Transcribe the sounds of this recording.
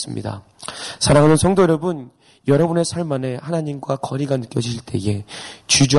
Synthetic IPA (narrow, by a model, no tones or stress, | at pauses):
s͈ɯmɲḭda̰ | sʰaɾaŋɦanɯnsʰʌŋdojʌɾʌbɯn | jʌɾʌbune̞sʰaɭmane̞hanaɲimɡwakʌɾiɡanɯk͈jʌd͡ʑʰiɕʰiɭt͈e̞̰je̞t͡ɕud͡ʑu